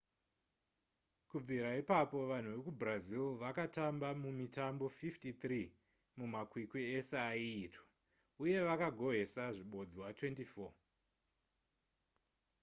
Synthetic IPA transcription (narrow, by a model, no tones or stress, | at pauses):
kub͡viɾaipapo̞ʋan̤uʋekubrazilʋakatambamumitambo̞fiftit̪ri | mumakwikwieseaiːtwḁ | uje̞ʋakaɡʱo̞ɦe̞saʐiɓo̞d͡zowatwe̞ntifo̞ː